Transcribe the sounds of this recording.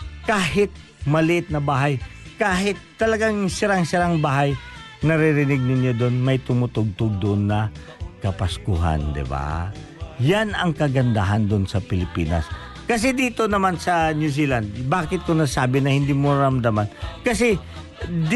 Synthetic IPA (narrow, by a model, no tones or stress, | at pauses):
kaːɦɪt̪̚ | mɐlɪʔɪt̪̚nɐbaːɦɐjkaːhɪt̪ːɐlɐɡaŋsɪɾaŋsɪɾaŋbaːɦɐj | nɐɾɪɾɪnɪɡ̚nɪnjod̪onmɐjt̪ʊmʊt̪oɡ̚t̪oɡ̚d̪onːɐ | kɐpɐskʊɦa̰nd̪ɪ̰ba̰ | janɐŋkɐɡɐnd̪aɦɐnd̪ʊnsɐpɪlɪpḭːnɐ̰s | kɐs̬ɛd̪iːt̪onɐmansɐnjus̬iland̪baːkɪt̪̚kʊŋnɐsaːbɪnɐhɪnd̪imoɾɐɾɐmd̪amankɐs̬ɛ | d̪